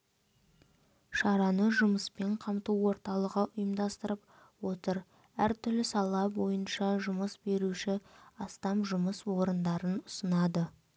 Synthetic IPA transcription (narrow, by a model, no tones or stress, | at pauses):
ʃɑɾɑnəʒʊməspe̞ɴqʰɑmt̪uwo̞ɾt̪ɑlˠəʁəʔʊjəmd̪ɑst̪əɾəp̚ | wot̪əɾ | æɾt̪ʰʏɾlɪsɑlˠɑbo̞jənʃɑʒʊməsbe̞ɾuʃɪɑst̪ɑmʒʊməswo̞ɾənd̪ɑɾənʊsənɑd̪ə